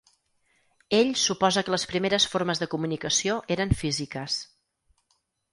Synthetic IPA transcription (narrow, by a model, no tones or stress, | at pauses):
eʎsupɔzəkələspɾimeɾəsfoɾməzðəkumunikəsioʔeɾəɱfizikəs